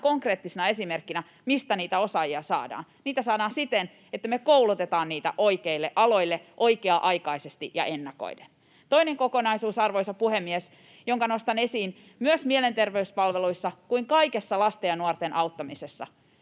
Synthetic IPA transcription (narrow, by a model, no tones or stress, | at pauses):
koŋkre̞ːt̪ːisenɑe̞simerkːinæ | mist̪æniːt̪æo̞sɑjiɑsɑ̰ːdɑ̰ːn | niːt̪æsɑːdɑːnsit̪en | et̪ːæmekoulut̪et̪ɑːnniːt̪æ̰ʔo̞ikeilːeʔɑlo̞ilːeʔoikeɑʔɑjkɑisest̪iʔjɑ̰ʔe̞nːɑko̰iden | t̪o̞ineŋkokonɑisuːsɑrʋojsɑpuhemːies | joŋkɑnost̪ɑne̞siːn | myøsmielent̪erʋeyspɑlʋeluisːɑkuiŋkɑikesːɑlɑst̪ejɑnuort̪enʔɑut̪ːɑmisesːɑ̰